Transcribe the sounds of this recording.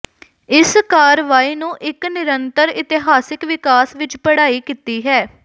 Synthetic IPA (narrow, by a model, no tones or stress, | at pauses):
ɪskaːɾʋaːiːnũːʔɪknɪɾənt̪əɾɪt̪ɪɦaːsɪkʋɪkaːsʋɪt͡ʃpəɽaːiːkiːt̪iːɦɛː